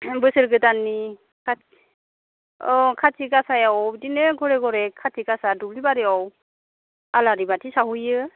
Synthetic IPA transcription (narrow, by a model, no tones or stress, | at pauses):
bɯsɯɾɡɯtanːi | kʰa | ɔkʰatʰikasajawdineɡɔɾeɡɔɾɛkʰːatʰikasadublibaɾɯaw | alaɾibatʰisaɦujɯ